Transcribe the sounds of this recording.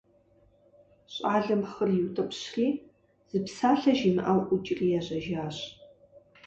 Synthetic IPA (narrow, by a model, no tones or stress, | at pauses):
ɕʼaːɮɐmχərjɪwtʼɐpɕriː | z̥ɨpsaːɬɐʒimɨʔawʔʷut͡ʃʼriːjɛʑɐʒaːɕ